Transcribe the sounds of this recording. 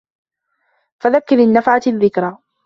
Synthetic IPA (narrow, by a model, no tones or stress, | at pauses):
faðakːɪɾɪnːafʕaðːɪkɾˤa